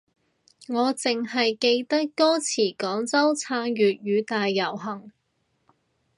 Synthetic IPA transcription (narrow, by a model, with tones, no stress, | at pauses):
ŋɔː˨˧t͡sɪ˨ŋhɐ˨jke˧jt̪ɐ˥kːɔː˥t͡sʰiː˨˩kɔː˨˥ŋt͡sɐ˥wt͡sʰaː˧ŋɥyː˨t̚jyː˨˧t̪aː˨jːɐ˨˩wɦɐ˨˩ŋ